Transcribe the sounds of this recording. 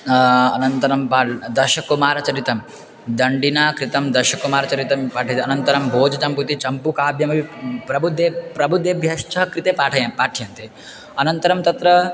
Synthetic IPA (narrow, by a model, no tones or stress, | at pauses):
ɐnɐnt̪ɐɾɐmpaːd̪ɐɾʃɐkumaːɾɐt͡ʃɐɾit̪ɐm | d̪ɐɳɖinaːkɾit̪ɐmd̪ɐʃɐkumaːɾɐt͡ʃɐɾit̪ɐmpaːʈʰɐt̪ɐnɐnt̪ɐɾɐmbʱoːd͡ʒɐt͡ʃɐmput̪it͡ʃɐmpukaːbjɐmɐʋipɾɐbʱud̪jepɾɐbʱud̪jebʱjɐʃt͡ʃɐɦɐkɾit̪eːpaːʈʰɐjɐmpaːʈʰjɐnt̪e | ɐnɐnt̪ɐɾɐmt̪ɐt̪ɾɐ